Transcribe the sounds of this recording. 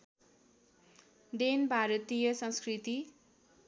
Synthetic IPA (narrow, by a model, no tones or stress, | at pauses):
d̪enbʱaɾʌt̪ijʌsʌ̃nskrit̪i